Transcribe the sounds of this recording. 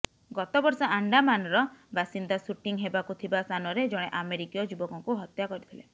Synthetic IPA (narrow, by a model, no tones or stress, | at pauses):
ɡɔt̪ɔbɔɾsɔaɳɖamanɔɾɔbʱasind̪asuʈiŋɦebakut̪ʰibast̪ʰanɔɾed͡ʒɔɽ̃eʔameɾikijɔd͡ʒubɔkɔŋkuɦɔt̪jakɔɾit̪ʰile